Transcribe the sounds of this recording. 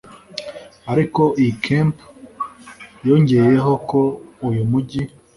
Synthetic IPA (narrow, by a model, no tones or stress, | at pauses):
aɾiko̞ʔikʰemp | jo̞ɲɟe̞jeɦo̞koujumuɟi